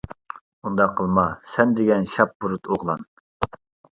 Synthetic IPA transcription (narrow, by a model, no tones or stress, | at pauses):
und̪ɑqʰːəlˠmɑsɛnd̪ɪɡʲɛnʃɑp̚buɾut̪ʰoʁlˠɑn